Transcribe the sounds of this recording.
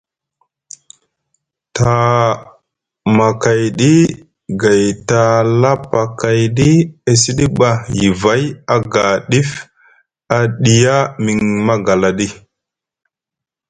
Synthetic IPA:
ta˨ | ma˨ka˨jɗi˦ | ɡa˨jta˨la˦pa˨ka˨jɗi˦e˨si˦ɗi˦ɓa˨ji˨va˦ja˦ɡa˨ɗi˦f | a˨ɗi˨ja˦mi˨ŋma˦ɡa˨la˨ɗi˦

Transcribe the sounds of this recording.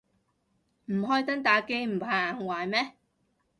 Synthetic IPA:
m̩˨˩ɦɔː˥jt̪ɐ˥ŋt̪aː˨˧˩ke˥jm̩˨˩pʰaː˨˩ŋwaː˨jmɛː˥

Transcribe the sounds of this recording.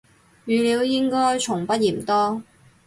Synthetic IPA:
jyː˨liː˨˧wjɪ˥ŋkɔː˥jt͡ʃʰʊ˨˩ŋpɐ˥t̚jiː˨˩m̩˨t̪ɔː˥

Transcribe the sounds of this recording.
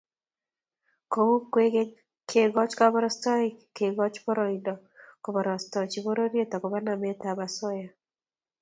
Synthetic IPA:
ko˨u˦kwe˦ɡe˦ | kʰe˦˨ɡɔ˦t͡ʃkɔ˦bɔ˦ɾɔ˦stɔ˦ike˨ɡɔ˦t͡ʃbɔ˦ɾɔ˨idɔ˨ | kɔ˨bɔ˨ɾɔ˨stɔ˨t͡ʃi˨bo˦ɾo˦ɾje˦t̪ɔ˨kɔ˨ba˦na˨mɛ˦t̪a˨ba˨sɔ˦ja˨

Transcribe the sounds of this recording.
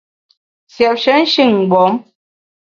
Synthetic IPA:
sjɛ˨p̚ʃə˦n̩˦ʃi˦˨ŋ˨ɡ͡bɔ˨˦m

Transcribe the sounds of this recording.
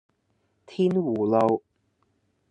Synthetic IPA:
t̪ʰiː˥nwu˨˩lo˨˧w

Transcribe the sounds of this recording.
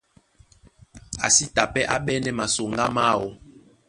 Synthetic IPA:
a̰˨si˦ta˨pɛ˦ʔa˦ɓɛ˦nɛ˦ma˨so˨ŋɡa˦ma˦˨wo˨

